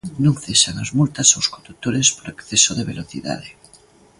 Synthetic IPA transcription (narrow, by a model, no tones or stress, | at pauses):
nõŋθesanazmult̪asowskond̪ut̪oɾespoɾekθesoðeβ̞eloθḭða̰ð̞e